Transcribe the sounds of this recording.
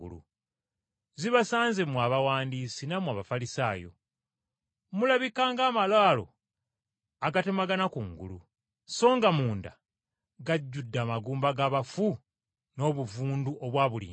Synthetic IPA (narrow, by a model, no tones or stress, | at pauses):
ṵlṵ | ziβasaːnze̞muaːβawaːndiːsinamwaβafalisaːjo̞̰ | mulaβikaːŋɡaːmalaːlo̞̰ | aɡate̞maɡanakuŋɡṵlṵ | so̞ːŋɡamuːnda̰ | ɡaɟːudːaːmaɡuːmbaɡaβafu | no̞ːβuvuːnduʔoβwaːβulḭː